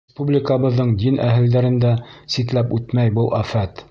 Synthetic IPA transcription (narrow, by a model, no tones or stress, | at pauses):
spublʲɪkəβɤ̆ðːɤɴd̪inʔæ̰ɦɘ̆ld̪æɾɘ̆nd̪æsit̪læpʉt̪mæjbɤlˠʔæfæt̪